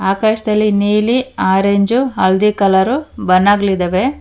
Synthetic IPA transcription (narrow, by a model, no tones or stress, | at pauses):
aːkaːʃɐd̪ɐlːiniːliaːɾeɲd͡ʒuɐɭd̪ikɐlɐɾubɐnːaːɡlid̪ɐʋe